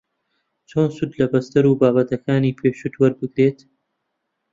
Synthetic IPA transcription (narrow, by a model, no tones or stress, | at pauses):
t͡ʃoːnsud̪lɐbɐst̪ɐɾuːbaːbɐt̪ɐkaːniːpʰeːʃut̪wɐɾbɨɡɾeːt̪